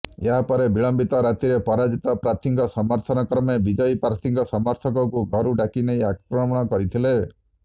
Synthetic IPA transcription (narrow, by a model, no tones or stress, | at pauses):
eɦapɔɾebiɭɔmbit̪ɔɾat̪iɾepɔɾad͡ʒit̪ɔpɾat̪ʰiŋɡɔsɔmɔɾt̪ʰɔnɔkɾɔmebid͡ʒɔjpaɾt̪ʰiŋɡɔsɔmɔɾt̪ʰɔkɔkuɡʱɔɾuɖakinejakɾɔmɔɽ̃ɔkɔɾit̪ʰile